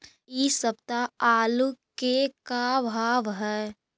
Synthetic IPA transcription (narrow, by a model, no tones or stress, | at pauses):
isəb̚t̪aaːlukekabʱaːʋɦɛː